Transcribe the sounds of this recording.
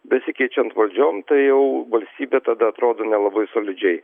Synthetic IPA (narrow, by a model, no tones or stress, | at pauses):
bʲɛsʲɪkʲɛɪt͡ʃʲɛnt̪ʋɐlʲd͡ʒʲoːmt̪ɐɪjɛʊʋɐlʲsʲt̪ʲiːbʲeːt̪ɐd̪ɐɐt̪ɾoːd̪oːnʲɛlˠɐbɐɪsoːlʲɪd͡ʒʲɛɪ